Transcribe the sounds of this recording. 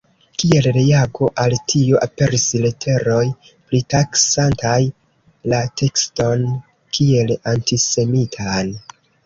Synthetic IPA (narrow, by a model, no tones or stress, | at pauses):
kie̞lɾejaɡo̞ʔaltʰioʔape̞ɾisle̞tʰe̞ɾo̞j | plitaksantaj | latʰe̞ksto̞n | kʰie̞lantise̞mitʰan